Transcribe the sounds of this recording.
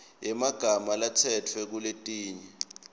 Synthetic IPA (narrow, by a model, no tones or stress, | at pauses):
jɛmaɡ̥ʱamalatʰɛtʰwɛk̬uletʼiːɲɛ